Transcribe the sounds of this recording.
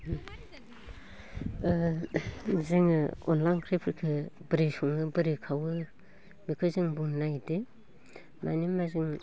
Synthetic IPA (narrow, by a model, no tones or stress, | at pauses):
zɯŋɯɔ̰nlajnkʰɾepʰɾikʰɯbɯɾesɔŋɯbɯɾikʰawɯ | mikʰɯzɯŋbuŋnajde | ma̰nimazɯŋ